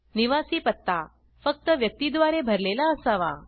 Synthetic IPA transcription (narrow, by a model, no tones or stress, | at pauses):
niʋasiːpət̪ːa | fək̚t̪əʋjək̚t̪iːd̪ʋaɾebʱəɾlelaəsaʋa̰